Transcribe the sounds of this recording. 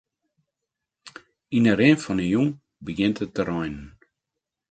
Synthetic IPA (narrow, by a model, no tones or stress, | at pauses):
inəɾenfɔnəjuŋ | bəɡɪntətəɾɔjnən